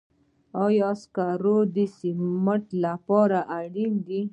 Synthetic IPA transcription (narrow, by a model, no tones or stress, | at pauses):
ɔjaskaɾod̪isiməʈlapɑɾaʔaɽind̪i